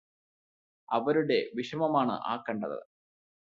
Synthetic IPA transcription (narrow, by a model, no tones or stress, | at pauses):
ɐʋɐɾuɽe̞ʋiʂɐmɐmaːɳɨ̰ʔa̰ːkːɐɳɖɐ̰ðɨ̰